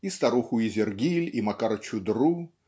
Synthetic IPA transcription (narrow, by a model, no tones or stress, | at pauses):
ist̪aɾuxʊizʲerɡʲilʲimakaɾɐt͡ɕud̪ɾu